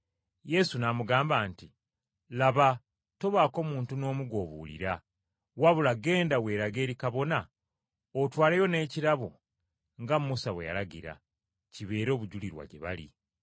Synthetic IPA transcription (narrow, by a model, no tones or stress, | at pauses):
je̞sunamuɡaːmbaːnti | laβa | to̞βaːko̞ːmuːntuno̞ːmuɡo̞ːβṵːlḭɾa | waβulaɡe̞ːndawe̞ːɾaɡe̞ːɾikaβo̞na | otwaːlejo̞ne̞ːciɾaβo | ŋɡamːusaβweja̰laɡḭɾa̰ | ciβe̞ːɾo̞ːβuɟuliɾwa̰ɟe̞̰βa̰lḭ